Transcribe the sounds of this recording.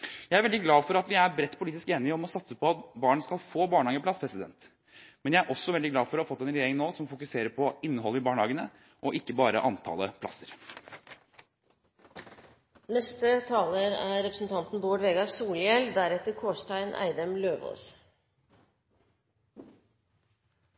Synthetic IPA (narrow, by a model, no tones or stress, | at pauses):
jæɪæɾʋɛld̪ɪɡlɑːfɔɾɑt̪ʋɪæɾbɾɛt̪ːpʰʊliːt̪ɪskeːnɪəɔmɔsɑt̪səpʰɔɑt̪bɑːɳəskɑlfoːbɑːɳəɑːɡəpʰlɑspʰɾɛsɪd̪ɛ̰nt̪ | mɛnjæɪæɾʔɔsːɔʋɛld̪ɪɡlɑːfɔɾɔhɑfɔt̪ːɛnɾɛjeːɾɪŋnoːsɔmfʊkʉseːɾəɾpʰɔɪnːəɦɔlːɪbɑːɳhɑːɡənə | ʔɔʔɪkːəbɑːɾə̰ʔɑnt̪ʰɑ̰ːləpʰlɑ̰səɾ | nɛst̪ət̪ʰɑːləɾæ̰ɾɛpɾəsn̩t̪ʰɑnt̪n̩boːɖʋeːɡɑsuːljɛld̪æɾɛt̪əɾkʰoːʂʈæɪnʔæ̰ɪd̪əmløːʋo̰ːs